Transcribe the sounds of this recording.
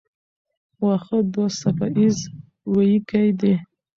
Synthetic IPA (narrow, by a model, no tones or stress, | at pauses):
waxəd̪osafaʔiz | wajikajd̪e